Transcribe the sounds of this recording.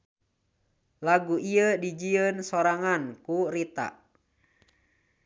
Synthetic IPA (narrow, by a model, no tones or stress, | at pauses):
laɡuiədid͡ʒiənsoɾaŋankuɾit̪a̰